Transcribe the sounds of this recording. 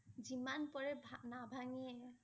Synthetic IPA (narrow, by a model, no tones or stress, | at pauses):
zimanpɔɹɛbʱanabʱaŋɛ